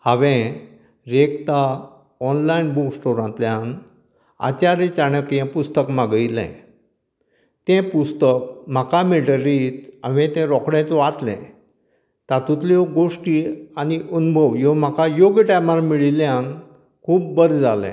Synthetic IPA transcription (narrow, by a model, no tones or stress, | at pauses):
haʋẽ | ɾekt̪a | ɔnlainbuksʈoɾãnt̪ljãn | a̰t͡ɕaɾet͡ɕaɽəkjãpust̪əkmaɡilɛ̰̃ | t̪ɛ̃pust̪ək̚m̤akamiʈəɾit͡saʋẽt̪ɛ̃ɾɔkɽɛ̃t͡sʋat̪lɛ̰̃ | t̪at̪ũt̪lɔɡoʂʈianiʔunbʱəʋjɔm̤akʰajoɡʈamaɾmiɭiljãn | kʰuːpbəɾd͡zalɛ̰̃